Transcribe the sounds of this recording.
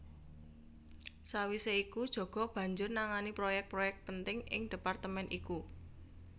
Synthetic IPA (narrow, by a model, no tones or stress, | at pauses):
sawiseikud̥ʒ̥ɔ̤ɡ̥ɔ̤b̥ä̤ɲd͡ʒʊrnaŋanipɾojɛk̚t̪̚pɾojɛk̚t̪̚pənt̪ɪŋʔɪ̰ŋd̥e̤part̪əmɛnʔiku